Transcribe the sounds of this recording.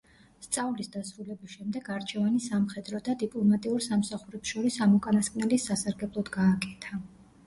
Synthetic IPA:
st̪sʼavlisd̪asɾulɛbisʃɛmd̪ɛɡaɾt͡ʃʰɛvanisamχɛd̪ɾɔd̪ad̪ipʼlˠɔmat̪ʼiuɾsamsaχuɾɛpsʃɔɾisamɔkʼanaskʼnɛlisasaɾɡɛblˠɔd̪ɡaːkʼɛt̪ʰa

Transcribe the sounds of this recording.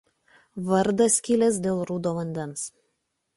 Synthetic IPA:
ʋɐɾd̪ɐsʲkʲɪlʲɛs̬d̪ʲeːlˠɾuːd̪oːʋɐnʲd̪ʲɛns

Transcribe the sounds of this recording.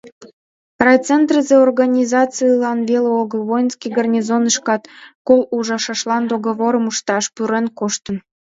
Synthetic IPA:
rɑjt͡sent̪rəzeorɣɑnʲizɑt͡sɨilɑnβeleoɣəlβojnskijɡɑrnʲizonəʃkɑt̪koluʒɑʃɑʃlɑnd̪oɣoβoɾəmuʃt̪ɑʃpyɾenkoʃt̪ə̆n

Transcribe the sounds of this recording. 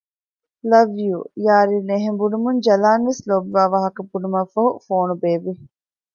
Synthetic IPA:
lɐʋjujaːɾineɦembunumund͡ʒɐlaːnʋeslobʋaːʋaːɦɐkɐbunumɐfɐɦufoːnubeːʋi

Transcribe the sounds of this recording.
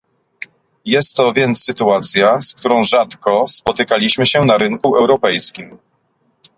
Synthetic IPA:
jɛst̪ːɔvʲjɛnt̪sːɘt̪uat̪sʲjaskt̪uɾɔ̃w̃ʐat̪kɔspɔt̪ɘkalʲiɕmɘɕɛnaɾɘŋkuɛwɾɔpɛjskʲim

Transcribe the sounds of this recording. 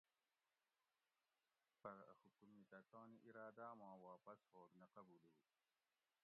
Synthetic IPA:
pɐɾɐ̰xukumit̪ɐt̪oːniʔiɾaːd̪amãːwaːpɐshoːɡnɐqɐbuːle

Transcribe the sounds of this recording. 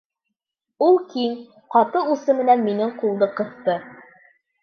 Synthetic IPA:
ulˠkiŋ | qɑt̪ɤusɤmɘ̆nænminɘɴqulˠd̪ɤqɤ̆θt̪ɤ

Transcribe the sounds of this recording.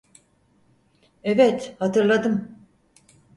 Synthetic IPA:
evɛt̪hat̪ʰɯɾlˠad̪ɯm

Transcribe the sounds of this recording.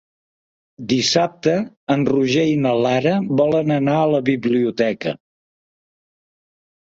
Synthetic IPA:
d̪isap̚t̪əː | nruʒejnəlaɾəβɔlənənaələβiβliut̪ɛkə̰

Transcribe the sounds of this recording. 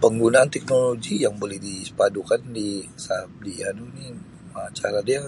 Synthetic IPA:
pəŋɡunaːnt̪ɛk̚noloɡijaŋbolɛhdispadukandisap̚dianuni | mat͡ʃaɾadia

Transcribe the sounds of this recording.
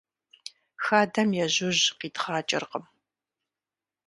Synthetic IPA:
xaːdɐmjɛʑʊʑqiːtχaːt͡ʃʼɪ̰rqəm

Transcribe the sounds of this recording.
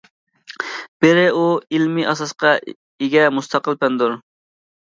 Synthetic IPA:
b̥ɪɾɪuilmiʔɑsɑsqɑ | iɡʲɛmust̪ʰɑqəlˠpɛnd̪uɾ

